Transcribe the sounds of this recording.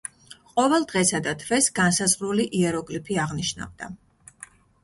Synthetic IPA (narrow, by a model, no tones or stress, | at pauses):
qʼɔvɛlˠd̪ʁɛsad̪at̪ʰvɛsɡansazʁɾuliʔiɛɾɔkʼlipʰiaʁniʃna̰vd̪a